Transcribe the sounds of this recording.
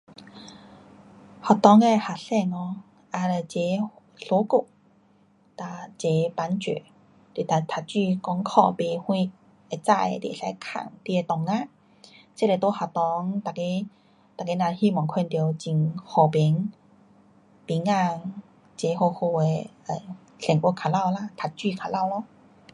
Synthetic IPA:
hɔ˨˩t̪ɔ˧˦ŋe˧˨ha˨˩ɬɛ˧ŋɔ˧˦ | ʔa˧lə˨˩t͡ɕe˧˦ | ɬo˧˦ku˧˩ʔ̚ | t̪a˧˩t͡ɕe˧˦pa˧˦nt͡ɕḛ˨ | t̪i˨˩t̪a˨˩t̪ʰa˨˧˩t͡ɕi˥˧˨kɔ˧˦ŋkʰɔ̰˧˨pe˨˧hwĩ˧ | e˧˩t͡sa˧˨jt̪i˧˨˧sa˧˦kʰa̰˨˧˩ŋt̪i˧e˧t̪ɔ˨˩ŋːã˧˨ | t͡se˦˨le˨t̪o˧˦ha˨˩t̪ɔ˧˦ŋt̪a˨˩ke˧˦ | t̪a˨ke˧˦nã˧hi˧˨mɔ˨˩ŋkʰɛ˧nt̪i˧wt͡ɕi˧ŋhɔ˧bɛ˨˧˦ŋ | t̪i˧˦ŋa˧ | t͡ɕe˧˦ho˧˨ho˧e˧ə˨˩ | ɬɛ˨˩ŋʔu˧kʰa˨˩la˧˨wla˧˨t̪ʰa˨˧t̚t͡ɕwi˥˧˨kʰa˨˧˩la˥˧˨wlɔ˧˨

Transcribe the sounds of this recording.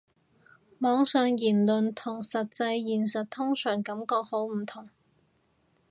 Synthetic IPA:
mɔː˨˥ŋsœː˨ŋjiː˨˩nlɵ˨nt̪ʰʊ˨˩ŋsɐ˨t̚t͡sɐ˧jjiː˨˩nsɐ˨t̚t̪ʰʊ˥ŋsœː˨˩ŋkɐ˨˥mkɔː˧k̚ho˨˥wm̩˨˩t̪ʰʊ˨˩ŋ

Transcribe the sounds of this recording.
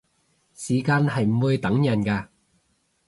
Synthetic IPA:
siː˨˩kaː˧nɦɐ˨jm̩˨˩wuː˧jt̪ɐ˨˥ŋjɐ˨˩nkaː˧

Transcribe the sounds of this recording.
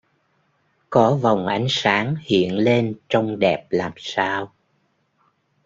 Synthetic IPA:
kɔ˨˦va˨˩wŋ͡mʔa˨˦jŋ̟saː˨˦ŋhḭ˧˨ənle˧nt͡ɕɔ˧wŋ͡mɗɛ˨˩p̚laː˨˩msaː˧w

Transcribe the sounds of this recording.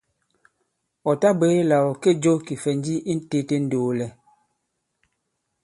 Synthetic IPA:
ɔ˨ta˦be˦la˨wɔ˨ke˦d͡ʒo˦ki˨fɛ˨n˦d͡ʒi˦ʔi˦n˦te˦te˦n̩˦doː˨lɛ˨

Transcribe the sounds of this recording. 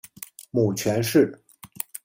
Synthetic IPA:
mu˨˩t͡ɕʰɥɛ˧˥nʂɻ̩˥˩

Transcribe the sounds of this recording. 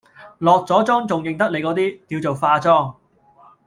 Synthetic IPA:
lɔː˨k̚t͡sɔː˨˥t͡sɔː˥ŋt͡sʊ˨ŋjɪ˨˩ŋt̪ɐ˥k̚le˨˧jkɔː˨˥t̪iː˥t̪iː˧wt͡so˨wfaː˧t͡sɔː˥˩ŋ

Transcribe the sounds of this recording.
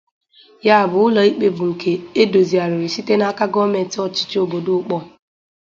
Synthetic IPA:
ja˦˨bʊ˨ʊ˦lɔ˨i˦k͡pe˦bʊ˨ŋ̩˨kʰe˨e˦do˨zi˨a˨ɾɪ˨ɾɪ˨si˦te˦na˦ka˦ɡɔ˦me˨tɔ˦t͡ʃɪ̥˦t͡ʃo˨bo˨do˦ʊ˦k͡pɔ˦

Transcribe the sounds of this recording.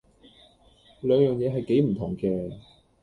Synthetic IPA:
lœː˨˧ŋjœː˨ŋjɛː˨˧ɦɐ˨jke˨˥jm̩˨˩t̪ʰʊ˨˩ŋkɛː˧

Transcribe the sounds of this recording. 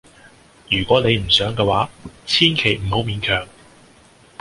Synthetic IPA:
jyː˨˩kʷɔː˨˥ne˨˧jm̩˨˩sœː˨˥ŋkɛː˧waː˨˥t͡sʰiː˥nkʰe˨˩jm̩˨˩ho˨˥wmiː˨˧nkʰœː˨˩ŋ

